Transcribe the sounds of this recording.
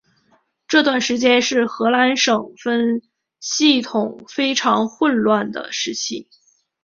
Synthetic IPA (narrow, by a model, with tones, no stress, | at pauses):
ʈ͡ʂɤ˥˧t̪wa˥˩nʂɻ̩˧˥t͡ɕjɛ˥nʂɻ̩˥˩xɤ˧˥la˧˥nʂɤ˨˩ŋfə˥n | ɕi˥˩t̪ʰʊ˨˩ŋfe˥ɪʈ͡ʂʰɑ˧˥ŋxwə˥˧nlwa˥˩nd̪ə̰˩ʂɻ̩˧˥t͡ɕʰi˥˩